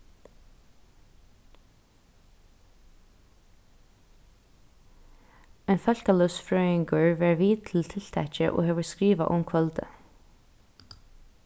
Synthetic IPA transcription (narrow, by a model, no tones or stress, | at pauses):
ɛnfœl̥kalœsfɹœːɪŋkəɹʋæɹʋiːt̪ʰɪlt̪ʰɪl̥t̪ʰɛt͡ʃə̰ʔo̰ːhɛʋəɹskɹiːʋa̰ʔʊ̰mkʰʋœlt̪ə̰